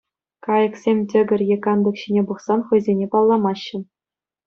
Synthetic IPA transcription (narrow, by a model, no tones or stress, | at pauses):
kɑjɤ̆ksʲemʲtʲɘ̆ɡʲɘ̆rʲjekɑnd̪ɤ̆kɕinʲebuχsɑnχɤ̆jzʲenʲepɑlˠːɑmɑɕːɘ̆